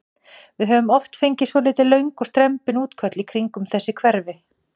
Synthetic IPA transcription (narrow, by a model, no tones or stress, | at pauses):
vɪðɦœːvʏmɔft̪fejɲcɪsvɔlɪːt̪ɪlœɥŋkɔst̪ɾɛmpɪnuːt̪kʰœt̪likʰɾiŋkʏmθɛsːɪkʰvɛɾvɪ